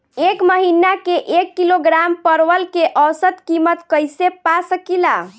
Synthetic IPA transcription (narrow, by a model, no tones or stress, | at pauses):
ekməɦinakeʔekːiloɡɾampəɾʋəlkeʔəwsət̪kimət̪kəjsepasəkila̰